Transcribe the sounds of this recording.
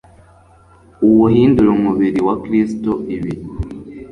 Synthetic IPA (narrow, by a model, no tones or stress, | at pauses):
uwuhiːnduɾomuβiɾiwakɾistoiβi